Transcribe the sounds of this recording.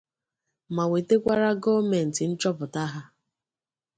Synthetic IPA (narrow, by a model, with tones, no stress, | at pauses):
ma˨we˨te˦kʷa˦ɾa˦ɡɔ˦me˨n̩˨tɪ˨n̩˦t͡ʃɔ˦pʊ˨ta˦ɦa˦